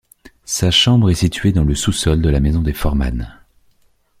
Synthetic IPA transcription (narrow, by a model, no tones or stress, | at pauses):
saʃɑ̃bʁɛsit̪ɥed̪ɑ̃ləsusɔld̪əlamezɔ̃d̪efɔʁma̰n